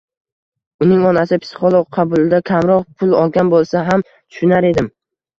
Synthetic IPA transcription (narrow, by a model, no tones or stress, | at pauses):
ʊnɪŋɒnasɪpʰɪ̥sɪ̥χolˠoq̚qʰɑbʊlˠɪd̪akʲʰamɾɒqpʰʊlˠɒlˠɡʲanbolˠsaɦam | t̪ʰʊ̥ʃʊnaɾe̞d̪ɪm